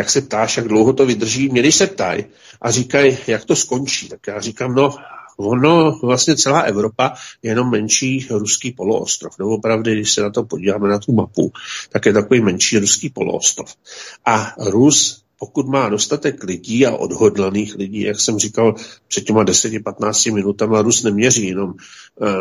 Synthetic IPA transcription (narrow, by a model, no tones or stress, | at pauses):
jaksɛp̚t̪aːʃjaɡdlowɦo̞t̪o̞vɪd̪r̩ʒiːmɲɛdɪʃsɛp̚t̪a̰j | ʔarikajjakt̪o̞sko̞nt͡ʃiːt̪akjaːrikaːmno̞vono̞vlast̪ɲɛt͡sɛlaːʔɛvɾo̞pajɛjɛno̞mːɛnʃiːɾuskiːpo̞lo̰ʔo̰st̪ɾofdowopɾavdɪɡdɪʃsɛnat̪o̞po̞ɟiːvaːmɛnat̪umapṵt̪akjɛt̪akoviːmɛnʃiːɾuskiːpo̞̰lo̰ʔo̰st̪ɾofʔaɾus | po̞kut̪maːdo̞st̪at̪ɛklɪɟiːa̰ʔo̞̰dɦo̞dlaniːxlɪɟḭːjaksɛmrikalpr̥ɛd̪̥̚cɛmadɛsɛcɪpat̪naːt͡scɪmɪnut̪amaɾusnɛmɲɛriːjɛno̞m